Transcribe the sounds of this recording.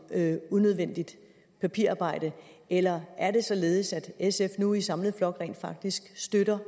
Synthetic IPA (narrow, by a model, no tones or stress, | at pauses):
unøð̞ˠʋen̰d̥id̥ | pʰæpʰḭɐ̰ɑ̈ːb̥ɑ̈ɪ̰d̥ə | ʔelɐæɐɾe̝sɒ̽le̝ːð̞̩ˠsæd̥esefnuisɑ̈mləð̩ˠflɒ̽ɡ̥ʁɛ̰ːnd̥fɑ̈ɡ̥̚d̥isɡ̥sd̥øɾɐ